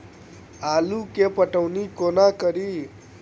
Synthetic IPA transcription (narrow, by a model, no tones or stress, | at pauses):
alukepəʈəwnikonakʌɾi